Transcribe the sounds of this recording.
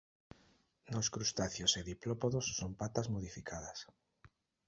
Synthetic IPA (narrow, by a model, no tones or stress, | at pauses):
noskɾust̪aθjoseðiplopoðosːompat̪azmoð̞ifikʰaðas